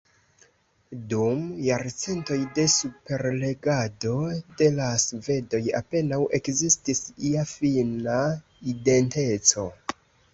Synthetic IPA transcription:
dumjaɾt͡se̞nto̞jde̞supe̞ɾle̞ɡado̞de̞lasve̞do̞ja̰pe̞nawʔe̞kzistisiafina | ide̞nte̞t͡so̞

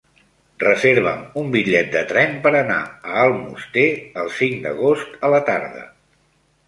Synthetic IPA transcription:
rəzeɾβ̞ə̰mumbiʎɛt̪̚d̪ət̪ɾɛmpəɾəna̰əːlˠmṵst̪eəlˠsiŋd̪ə̰ɣ̞ost̪ələt̪aɾðə̰

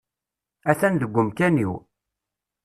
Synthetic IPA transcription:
æθænðəɡʷːəmkænḭw

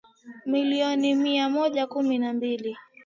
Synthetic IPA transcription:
miliɔnimiamɔʄakuminambili

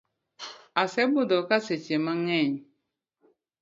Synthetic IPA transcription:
asɛbodɔkaset͡ʃemaŋɛɲ

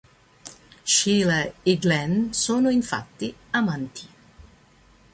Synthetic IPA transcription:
ʃiːlaeɡlɛnsoːnoiɱfa̰t̪ːiamant̪ʰi̥

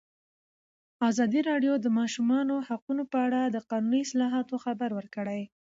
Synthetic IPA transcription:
ɑzɑd̪iɾɑɖjod̪əmɑʃumɑnohaqunopəaɽad̪əqɑnuniɪslɑɦɑt̪oxabaɾwəɾkəɽaj

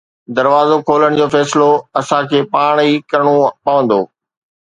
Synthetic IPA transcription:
d̪ɐɾʋaːzokʰoːləɽ̃d͡ʑoːfɛːsɪloɐsãkʰeːpaːɽ̃ikɐɾɽ̃opɐʋə̃nd̪oː

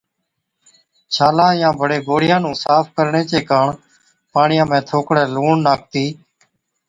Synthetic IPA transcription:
t͡ʃʰaːlãːjãːbʱəɽeːɡoːɽɪjãːnũːsaːpkəɾɳeːt͡ʃeːkaːɳ | paːɳɪjãːmẽːt̪ʰoːkɽɛːluːɳnaːk̚ʰt̪iː

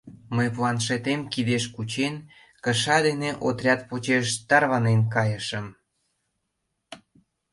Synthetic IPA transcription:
məjplɑnʃet̪emkid̪eʃkut͡ɕen | kəʃɑd̪eneʔot̪rʲɑt̪̚pot͡ɕeʃt̪ɑrβɑnenkɑjəʃə̆m

